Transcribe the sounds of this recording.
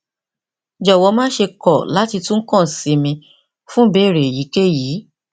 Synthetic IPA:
d͡ʒɔ˨wɔ˧mãː˦ʃe˧kɔ˦˨la˨˦ti˧tũ˦ŋ̩˦kɔ̃˦˨si˨˦mĩ˧ | fũ˦be˦˨ɾe˨ji˨˦ke˦jiː˨˦

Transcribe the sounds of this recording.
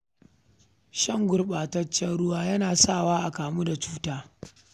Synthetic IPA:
ʃɐ˦ŋɡʷʊ˦rɓaː˨tɐ˦t͡ʃːɐ˦nɽʊ˦waː˦jɐ˦naː˨sa˦˨waː˦ʔa˨kaː˨mu˦da˨t͡ʃu̥ː˦taː˦

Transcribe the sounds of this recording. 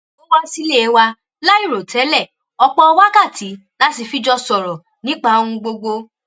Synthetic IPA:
o˦wa˦si˧le˦˨e˨˧˦wa˧ | la˦i˦˨ɾo˨tɛ˨˦lɛ˦˨ | ɔ˧k͡pɔ̃˧ɔ˧wa˦ka˦˨tʰi˨˦ | la˦ti˧fi˦d͡ʒɔ˧sɔ˨ɾɔ˨ | nĩ˨˦k͡pa˦õ˧ũ˧ɡ͡bo˧ɡ͡bo˧

